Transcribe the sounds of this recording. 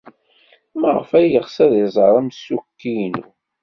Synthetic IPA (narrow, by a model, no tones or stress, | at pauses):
məʁəfæjəʁsæðizˤəɾˤæmsukːinṵ